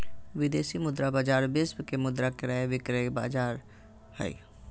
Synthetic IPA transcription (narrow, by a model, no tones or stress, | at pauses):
ʋɪd̪eːsimʊd̪ɾabaːd͡ʒaːɾbɪsbkemʊd̪ɾakɾaeʋɪkɾeba̰ːd͡ʒaːɾ | hə̰ḭ